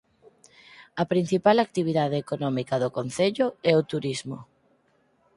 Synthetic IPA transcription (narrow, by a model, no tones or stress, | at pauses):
ɐpɾin̟θipalak̚t̪iβ̞iðað̞eːkonɔmikɐðokon̟θeʎʊɛot̪uɾizmʊ